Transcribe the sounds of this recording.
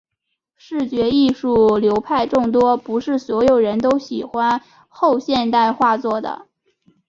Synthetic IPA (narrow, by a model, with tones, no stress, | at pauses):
ʂɻ̩˥˩t͡ɕɥɛ˧˥i˥˧ʂu˥˩ljo˧˥ʊpʰa˥˧ɪʈ͡ʂʊ˥˩ŋt̪̬wɔ˥pu˧˥ʂɻ̩˥˩swɔ˧˥jo˨˩ʊɻə˧˥nt̪̬o˥ʊɕi˨˩xwa˥n | xo˥˧ʊɕjɛ˥˧nt̪a˥˧ɪxwa˥˧t͡swɔ˥˩d̪ə̰˩